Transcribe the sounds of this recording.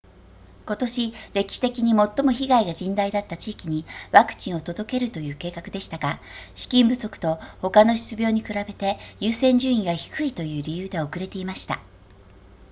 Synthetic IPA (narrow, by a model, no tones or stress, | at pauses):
ko̞t̪o̞ɕiɾe̞kʲi̥ɕi̥t̪e̞kʲiɲ̟imo̞t̪ːo̞mo̞çiɡaiɡad͡ʑĩnd̪aid̪at̪ːat͡ɕiːkʲiɲ̟iβakɯ̟̥t͡ɕĩɰ̃ot̪o̞d̪o̞ke̞ɾɯ̟t̪o̞jɯ̟ːke̞ːkakɯ̟d̪e̞ɕi̥t̪aɡaɕi̥kʲĩmbɯ̟so̞kɯ̟̥t̪o̞ho̞kano̞ɕi̥ɨ̥t͡sɨbʲo̞ːɲ̟ikɯ̟ɾabe̞t̪e̞jɯːsẽ̞ɲ̟d͡ʑɨːĩŋɡaçi̥kɯ̟it̪o̞jɯ̟ːɾʲijɯ̟ːd̪e̞o̞kɯ̟ɾe̞t̪e̞imaɕi̥t̪a̰